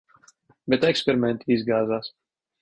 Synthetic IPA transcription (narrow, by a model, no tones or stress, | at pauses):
bɛt̪ɛkspɛɾimɛ̃nt̪izɡaːzaːs